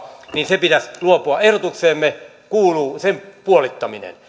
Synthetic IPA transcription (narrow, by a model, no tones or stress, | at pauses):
ninsepit̪æsluopuɑehɾot̪ukseːmːe | kuːluːsempuolit̪ːɑminḛn